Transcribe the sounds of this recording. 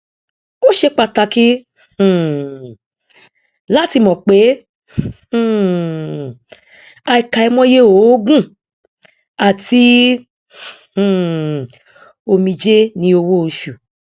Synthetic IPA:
o˦ʃe˧˦k͡pa˧˨ta˧kĩ˦˨ | la˦ti˧mɔ̃˨k͡pe˨˦˨ | a˧i˨ka˨i˧mɔ̃˦je˦o˨˦ɡũ˦˨ | a˨ti˦˨ | o˧mĩ˧d͡ʒe˦nĩ˦o˧wo˦o˧ʃu˨

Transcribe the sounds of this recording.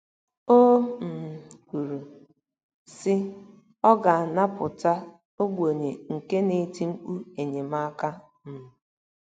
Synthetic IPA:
o˦m̩˨ku˨ɾu˨ | sɪ˦ | ɔ˦ɡa˨a˨na˦pʊ˨ta˦ | o˦ɡ͡bʷo˨ɲe˨ŋ̩˨ke˦ne˨ti˦ŋ͡m̩˦k͡pu˦e˨ɲe˨ma˦ka˦ | m̩˨

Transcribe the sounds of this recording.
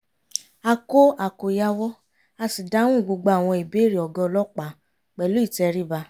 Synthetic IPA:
a˧ko˦a˨ko˨ja˧wɔ˦ | a˧si˨da˨˦w̃ũ˦˨ɡ͡bo˧ɡ͡ba˧˨a˨w̃ɔ̃˧i˨be˨˦ɾi˨ɔ˨ɡɔ˧lɔ˦k͡pa˨˦ | k͡pɛ˨lu˦i˦˨tɛ˧ɾi˦ba˧˦

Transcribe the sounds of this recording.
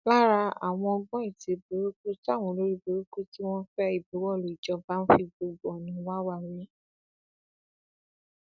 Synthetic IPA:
ba˦ɾa˧a˨w̃ɔ̃˧ɔ˧ɡ͡bɔ̃˦i˦˨te˧˦be˨˦ɾo˦ku˦ti˦a˦˨w̃ɔ̃˧˦lo˦ɾi˦be˧ɾo˦ku˦ti˦w̃ɔ̃˦fɛ˦i˦˨be˨˦wɔ˦˨lo˨i˨d͡ʒɔ˧˦ba˦n̩˦fi˧ɡ͡bo˧ɡ͡bo˨ɔ˨nĩ˨˦wa˦wa˦˨ɾi˨˦

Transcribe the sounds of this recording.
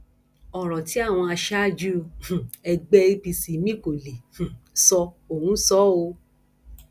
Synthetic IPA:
ɔ˨ɾɔ˨ti˨˦a˦˨w̃ɔ̃˧a˧ʃa˦˨d͡ʒu˦õ˧˨ɛ˧ɡ͡bɛ˧i˧bi˧si˨mĩ˦ko˨lẽ˨sɔ˧ | o˦˨ũ˨˦sɔ˦o˧

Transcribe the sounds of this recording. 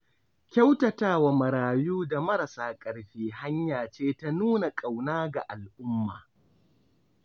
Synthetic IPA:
kʲa˦wtɐ˨taː˦wa˨mɐ˨ɾaː˨juː˦da˨mɐ˦ɾa˨saː˦kʼɐ˨ɽɸiː˦ɦa˦ɲjaː˨t͡ʃeː˦ta˦nuː˦na˨kʼa˨wnaː˦ɡa˨ʔa˨lʔʊ˦mːa̰ː˨

